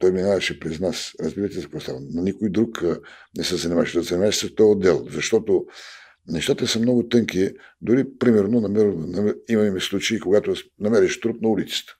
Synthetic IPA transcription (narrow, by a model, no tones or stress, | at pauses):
t̪ɔjminavɐʃɛpɾɛznasɾɐzbiɾət̪ʲɛzɐpɾost̪a̰vnnɐnikojd̪ɾuk | nɛsəzɐnʲimaʃɛd̪ɐzɐnimaʃsət̪ɔod̪ɛlˠzɐʃt̪ɔt̪o | nɛʃt̪at̪əsəmnɔɡʊt̪ɤŋki | d̪ʊɾipɾimɛɾnonɐmɛɾnɐimɐmislˠut͡ʃəikoɡat̪onɐmɛɾɛʃt̪ɾut̪̚nɐulit̪sə̥t̪ə̥